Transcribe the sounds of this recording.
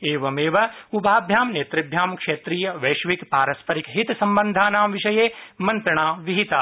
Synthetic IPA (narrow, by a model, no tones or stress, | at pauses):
eːʋɐmeːʋɐubʱaːbʱjaːmneːt̪ɾɪbʱjaːmkʂeːt̪ɾiːjɐʋɐːʃʋikpaːɾɐspɐɾikɦit̪sɐmbɐnd̪ʱaːnaːmʋiʃɐjeːmɐnt̪ɾɐɳ̃aːʋiɦit̪aː